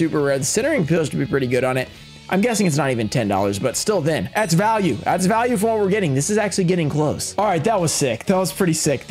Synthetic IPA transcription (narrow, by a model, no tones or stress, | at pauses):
ʉpə˞ɹɛd̚sɪ̃ñə˞ɪ̃ŋpʰɪlˠz̥tʰəbipʰɹ̥ɪɾiɡʊɾn̩ɪt̚ | ʔãɪ̃mɡɛsɪ̃ŋɨtsnəɾivɨ̃ntʰɛ̃ndɔ̰lˠə̰˞zbʌtstɪlˠðɨ̃nðætsvælˠjʉðæ̰tsvælˠjʉfə̃mwʌt̚wəɹɡɛɾɪ̃ŋðɪsɨzæk̚t͡ʃʉl̩ˠiɡɛɾɪ̃ŋkʰl̥oʊsɔlˠɹaɪt̪̚ðət̚wʌz̥sɪkðət̚wʌz̥pʰɹ̥ɪɾisɪk